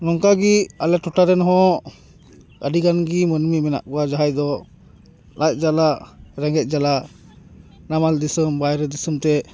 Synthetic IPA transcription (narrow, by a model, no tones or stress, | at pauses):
nɔŋkaɡialɛʈɔʈaɾɛnɦɔ̃ | ə̰ɖikanɡimənmimɛna̰ʔkɔwad͡ʒaɦajd̪ɔ | laj̚ˀd͡ʒalaɾɛŋɡɛt̪̚d͡ʒala | namald̪isəmbajɾɛd̪isəmt̪ɛ